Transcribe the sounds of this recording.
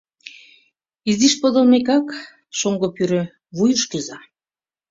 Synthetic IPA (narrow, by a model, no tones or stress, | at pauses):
iziʃpod̪olmekɑk | ʃoŋɡopyɾø | βujəʃkyzɑ